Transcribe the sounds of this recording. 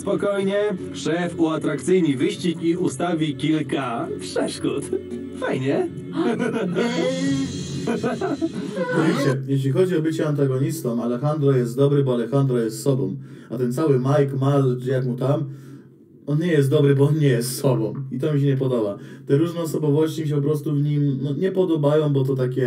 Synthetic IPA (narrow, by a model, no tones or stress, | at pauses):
spɔkɔjɲɛpʂɛfuat̪ɾakt̪sɘjnivɘɕt͡ɕikiust̪avʲikʲilkapʂɛʂkut̪ | fajɲɛ | t̪ɔvʲit͡ɕɛjɛɕ̬lʲixɔd͡ʑiɔbɘt͡ɕɛant̪̬aɡɔɲist̪ɔmalɛxand̪ɾɔjɛst̪d̪ɔbɾɘbɔalɛxand̪ɾɔjɛst̪sɔbɔ̰̃wmat̪ɛnt̪sawɘmajkmalt͡ʃjakmut̪am | ɔnɲɛjɛst̪ɔbɾɘbɔɔnɲɛjɛst̪ːsɔbɔ̃wit̪ɔmʲiɕ̬ɛɲɛp̬ɔd̪ɔbat̪ɛɾuʐnɛɔsɔbɔvɔɕt͡ɕimʲiɕ̬ɛpɔp̬ɾɔst̪uvɲimnɔɲɛpɔd̪ɔbajɔ̃w̃bɔt̪̬ɔt̪akʲɛ